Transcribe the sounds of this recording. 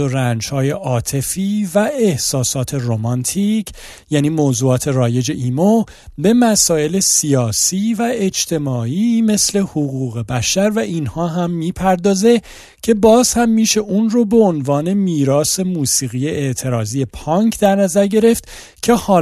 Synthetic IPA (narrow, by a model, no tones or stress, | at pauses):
oɾænd͡ʒhɒːje̞ʔɒːt̪ʰe̞fiːvæehsɒːsɒːt̪ʰe̞romɒnt̪ʰicʰ | jæːniːmoːzuːɒːt̪ʰe̞rɒːje̞d͡ʒe̞ʔiːmo | be̞mæsɒːe̞le̞siɒːsiːvæed͡ʒt̪ʰe̞mɒːiːme̞sle̞hoɣuːɣe̞bæʃæɾvæʔiːnhɒːɦæmːiːpʰæɾd̪ɒːze̞ | cʰe̞bɒːz̥hæmːiːʃe̞ʔuːnrobe̞onvɒːne̞miːɾɒːse̞muːsiːɣije̞ʔeʔt̪ʰe̞ɾɒːziːje̞pʰɒŋkʰd̪æɾnæzæɾɟe̞ɾe̞ft̪ | cʰe̞hɒː